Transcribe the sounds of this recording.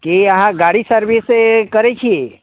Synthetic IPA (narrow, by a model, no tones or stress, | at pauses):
keəɦãɡaɽisəɾʋisekəɾet͡ʃʰie